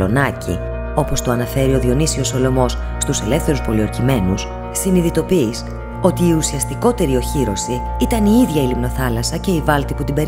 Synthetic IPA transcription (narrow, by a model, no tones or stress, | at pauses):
o̞nɐcḭ | o̞po̞st̪oɐnɐfe̞ɾio̞ðio̞nisio̞so̞lo̞mo̞s | st̪use̞le̞fθe̞ɾuspo̞lio̞ɾçime̞nus | siniðit̪o̞piːs | o̞t̪iːusiɐst̪iko̞t̪e̞ɾio̞çiɾo̞si | it̪ɐniiðʝɐilimno̞θɐlɐsɐce̞ivɐlt̪iput̪ibe̞ɾ